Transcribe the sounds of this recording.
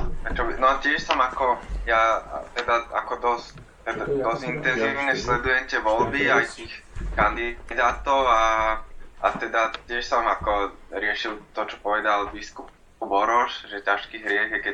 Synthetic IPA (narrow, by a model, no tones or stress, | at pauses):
at͡ʃɔbinɔcɪɛʃsɔmakɔjat̪ɛd̪aa̰kɔd̪ɔst | ɛd̪ad̪ɔzint̪ɛnziːʊɲɛslɛd̪ujɛmt̪ɛʋɔlbiajt̪iːxkand̪id̪aːt̪ɔʊa | at̪ɛd̪atɪɛʃsɔmakɔɾɪɛʃilt̪ɔt͡ʃɔ̥pɔʋɛd̪albiskup̚ | ubɔɾɔʃʒɛcaʃkiːɦɾɪɛɣjɛkɛ